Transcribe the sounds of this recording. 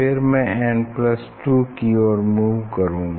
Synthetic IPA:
ɪɾmɛ̃ɛːnplɐsʈuːkiɔːɾmuːʋkɐɾũː

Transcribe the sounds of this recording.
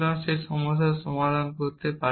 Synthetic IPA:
ɾanʃeɾʃɔmod̪ʱaʃɔmad̪ʱankoɾt̪epa

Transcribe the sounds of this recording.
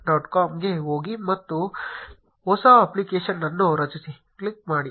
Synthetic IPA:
ɖaːʈkaːmɡeɦoːɡimɐt̪ːu | oːsaːɐplikeːʃɐnːɐnːoɾɐt͡ʃusi | klik̚maːɽi

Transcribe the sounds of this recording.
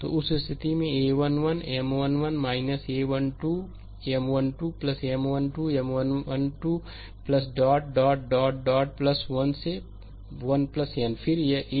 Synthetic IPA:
t̪o̰ːʊsst̪ʰɪt̪imẽeːʋɐnʋɐnemʋɐnʋɐnmaːɪnɐseːʋɐnʈuː | emʋɐnʈuːplɐsemʋɐnʈuːemʋɐnʋɐnʈuː | plɐs̬ɖaːʈ̚ɖaːʈ̚ɖaːʈ̚ɖaːʈ̚plɐsʋɐnse | ʋɐnplɐsenpʰɪɾjeʔe

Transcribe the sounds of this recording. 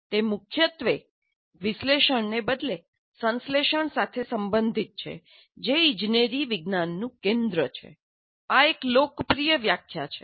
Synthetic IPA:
t̪emʊkʰjət̪ʋe | ʋɪsleʃəɳnebəd̪le | sə̃nsleʃəɳsat̪ʰesəmbənd̪ʱit̪̚t͡ʃʰḛ | d͡ʒeĩd͡ʒneɾiʋiɡnanːũkẽnd̪ɾət͡ʃʰḛ | aeklokpɾijəʋjakʰːjat͡ʃʰe̥

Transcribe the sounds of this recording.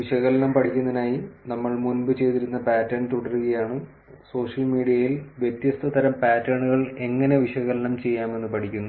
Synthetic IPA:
ʋiɕɐɣɐlɐɳɐmpɐʈʰikʲːunːɐinaːjinɐmːɐɭmunbɨt͡ɕe̞jt̪iɾunːɐpaːtːɐɳt̪uɽɐɾuɣɐjaːɳɨ | so̞ːʂɐlmiːɽijɐjilʋjet̪jɐst̪ʰɐt̪ɐɾɐmpaːtːɐɳuɣɐɭe̞ŋːɐne̞ʋiɕɐɣɐlɐnɐmt͡ɕe̞jːaːme̞nːɨpɐʈʰikʲːunːu

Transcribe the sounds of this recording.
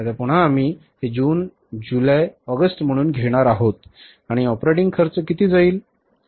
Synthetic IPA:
t̪at̪apuɽ̤̃aːmiː | ɦed͡ʑuːn | d͡ʑulajɔɡəsʈm̤əɽ̃uːnɡʱeɽ̃aɾaɦot̪̚ | aɽ̃iɔpɾeʈiŋɡkʰəɾt͡səkit̪iːd͡zaiːl

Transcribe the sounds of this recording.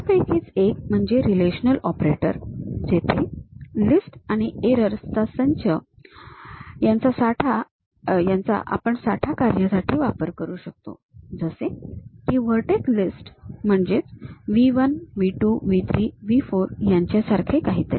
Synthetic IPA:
pekʰiːt͡sek̚m̤əɳd͡ʑeɾileɕənəlɔpɾeʈəɾd͡zet̪ʰelisʈaɽ̃ieɾəɾst̪asəɲt͡ɕə | jant͡sasaʈʰa | jãnt͡sa̰ʔa̰pəɳsaʈʰakaɾjasaʈʰiːʋapəɾkəɾuːɕək̚t̪o̰ | d͡zəsẽkiːʋəɾʈeklisʈm̤əɳd͡ʑet͡sʋiʋənʋiʈuːʋit̪ʰɾiːʋifoɾjaɲt͡ɕasaɾkʰekaɦit̪ḛ

